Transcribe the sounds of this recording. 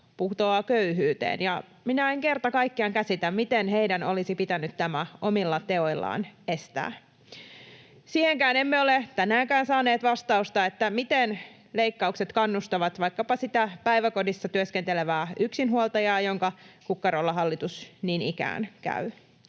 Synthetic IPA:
puht̪oɑkøyɦyːt̪ḛːnjɑ | minæeŋke̞rt̪ɑkɑikːiɑŋkæsit̪æmmit̪enɦeidænolisipit̪ænyt̪t̪ːæmæʔo̞milːɑt̪e̞o̞ilːɑ̰ːnest̪æ̰ː | siːheŋkæːne̞mːeolet̪ænæːŋkæːnsɑːneːt̪ʋɑst̪ɑust̪ɑet̪ːæmit̪en | leikːɑukset̪kɑnːust̪ɑʋɑt̪ʋɑjkːɑpɑsit̪æpæjʋæko̞disːɑt̪yøskent̪eleʋæːyksinɦuolt̪ɑjɑːjo̞ŋkɑkukːɑɾolːɑɦɑlːit̪usninikæ̰ːnkæ̰y

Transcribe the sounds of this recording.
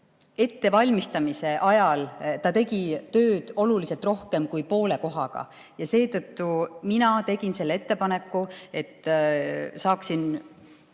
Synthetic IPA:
e̞t̪ːe̞vɑlʲmist̪ɑmise̞ʔɑjɑlt̪ɑt̪e̞ɡit̪ø̞ːd̪̥o̞lulise̞lt̪ro̞hke̞mkujpo̞ːle̞ko̞ɦɑ̰ɡ̥ɑ̰ | jɑse̞ːt̪ɤ̞t̪ːuminɑt̪e̞ɡ̥inse̞lːe̞t̪ːe̞pɑne̞kˑːue̞t̪ː | sɑːksin

